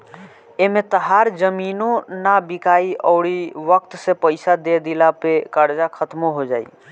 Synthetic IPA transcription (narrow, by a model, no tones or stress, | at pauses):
emet̪əɦaɾd͡ʒəminonabikaiəʊɽiʋəkt̪sepəɪsad̪ed̪ilapekəɾd͡ʒakʰət̪moɦod͡ʒaːḭ